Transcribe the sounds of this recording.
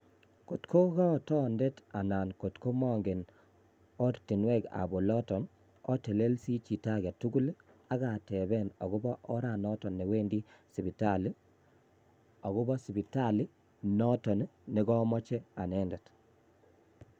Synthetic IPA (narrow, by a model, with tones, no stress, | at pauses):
ko˨tkʰo˦ɣɔ˦˨tɔ˦ndɛ˦ta˨na˨nko˨tko˦mɔ˦ŋɡe˨n | ɔ˦ɾti˨nwɛ˦ka̰˨bo˨lɔ˦tɔ˨n | ɔ˦te˨le˦lsi˦t͡ʃi˨ta˦ɡɛ˨tu˦ɡu˦l | a˦ɡa˨tɛ˨βɛ˦˨nɔ̰˨ɣu˦bɔ˦ʔɔ˦ɾa˨nɔ˦tɔ˨nːe˨we˦ndi˦si˨pi˨ta˦li˦ | ɔ˨ɣu˦bɔ˦si˨pi˨ta˦li˦ | nɔ˦tɔ˨nne˨ɡɔ˦mɔ˦t͡ʃɛ˦a˨nɛ˦ndɛ˨t